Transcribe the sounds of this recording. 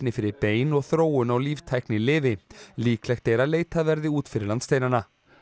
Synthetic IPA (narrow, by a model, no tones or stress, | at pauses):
nɪfɪɾɪɾpeːjnɔɣθɾoːwʏnawliːvt̪ʰajknɪlɪːvɪliːklɛxt̪ejɾaleːjt̪avɛɾðɪuːt̪fɪɾɪɾlanst̪ejnanːa